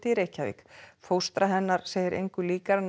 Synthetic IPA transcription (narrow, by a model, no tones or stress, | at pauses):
t̪ɪiɾeːhcavḭːkfowst̪ɾaɦɛnːaɾ̥seːjɪɾʔḛjŋkʏliːkaɾn